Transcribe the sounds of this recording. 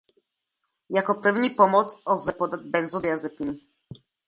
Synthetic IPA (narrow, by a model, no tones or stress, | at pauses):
jakɔpɾəvnipɔmɔt̪slˠzɛpɔd̪at̪̚bɛnzɔd̪jazɛpini